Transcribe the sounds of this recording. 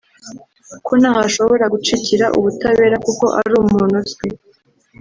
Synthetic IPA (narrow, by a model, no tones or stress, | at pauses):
kunaːhaʃo̞βo̞ɾaɡut͡ʃiciɾaʔṵβutaβe̞ːɾakuko̞ʔa̰ɾuːmmuːnutɡi